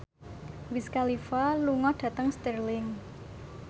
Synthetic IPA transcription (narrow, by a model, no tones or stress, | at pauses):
wɪskalifaluŋɔɖ̥ä̤t̪əŋst̪ərlɪŋ